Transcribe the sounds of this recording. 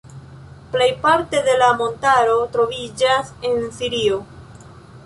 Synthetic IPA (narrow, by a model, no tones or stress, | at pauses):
ple̞jpaɾte̞de̞lamo̞ntaɾo̞tɾo̞vid͡ʒase̞nsiɾio